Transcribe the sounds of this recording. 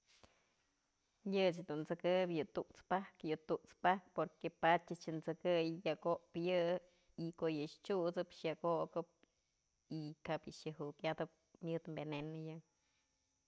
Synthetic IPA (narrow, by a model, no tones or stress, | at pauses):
jɨt͡ʃd̪unt͡sɨkɨbjɨt̪uʔt͡spahkjɨt̪uʔt͡spahk̚poɾkepat͡ʃt͡ʃɨt͡ʃɨnt͡sɨkɨjjaʔkoʔpjɨ | ikoʔjɨʃt͡ʃut͡sɨpʃjakokɨp̚ | ikapjɨʃjɨɦukad̪ɨp̚mʲjɨt̪mbenenɨjɨ